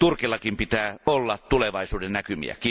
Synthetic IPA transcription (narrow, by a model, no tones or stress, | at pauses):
t̪urkilːɑkimpit̪æːolːɑtt̪uleʋɑisuːdennækymḭæ̰ki